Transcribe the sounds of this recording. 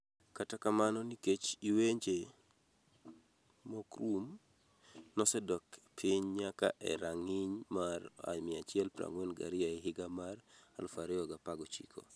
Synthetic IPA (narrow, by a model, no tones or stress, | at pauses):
katakamanɔniket͡ʃiweɲd͡ʒe | mɔkɾum | nɔsɛdɔkpʰɪɲɲaka̰ʔɛ̰ɾaŋɪɲmara̰mɪat͡ʃɪɛlpɾa̰ŋwɛnɡa̰ɾɪaiɦɪɡamara̰lfaɾɛɔɡapaɡɔt͡ʃḭkʰo̰